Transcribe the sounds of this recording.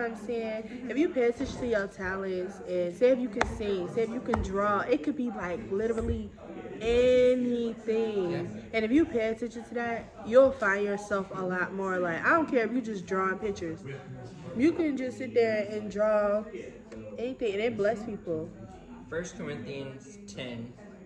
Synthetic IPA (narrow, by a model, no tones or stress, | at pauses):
ãɪ̃mseɪ̃ŋɨfjɨpʰætʰɨt͡ʃtʰɨjətʰælˠɨ̃nsɨ̃nseɪɨfjɨkɨ̃nsɪ̃ŋseɪɨfjɨkɨ̃ndɹɔɪt̚kʰɨd̚bilaɪklɪɾə˞l̩ˠi | ɛniθɪ̃ŋŋɨ̃nɨfjɨpʰetɪt͡ʃɨtʰɨðæt̚ | jəlˠfãɪ̃ndd͡ʒjə˞sɛlˠfəlɔt̚mɔɹlaɪkaɪɾõʊnkʰɛɹɨfjɨd͡ʒʌsdɹɔ̃npɪk̚t͡ʃə˞z̥ | jɨkɨ̃nd͡ʒʌstsɪt̪̚dðə˞ɨ̃ndɹɔ | ɛniθɪ̃ŋɨ̃nɨ̃nblɛspʰipl̩ˠ | fɜ˞skʰə˞ɪ̃nθiɨ̃nz̥tʰɛ̃n